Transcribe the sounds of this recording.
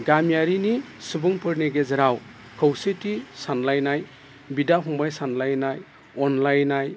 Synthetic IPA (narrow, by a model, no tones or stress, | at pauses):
ɡamjaɾinisubuŋpɯɾneɡezɐɾaw | kʰɯwsetisanlajnaj | bidaɦʰuŋbajsanlajnaj | ɔnlajnaj